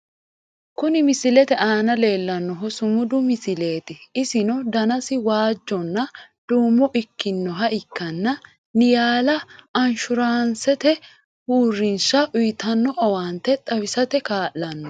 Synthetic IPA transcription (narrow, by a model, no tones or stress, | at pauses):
kʊnɪmɪsɪlɛt̪ɛʔaːnɐle̞ːlːɐnːɔɦɔsʊmʊd̪ʊmɪsɪle̞ːt̪ɪɪsɪnɔd̪ɐnɐsɪwaːd͡ʒːɔnːɐd̪̥uːmːɔʔɪkːɪnːɔɦɐʔɪkːɐnːɐ | nɪjaːlɐɐnʃʊɾaːnsɛt̪ɛ | huːrːɪnʃɐʔʊjt̪ɐnːɔʔɐwaːnt̪ɛt̪ʼɐwɪsɐt̪ɛkaːlːɐnːɔ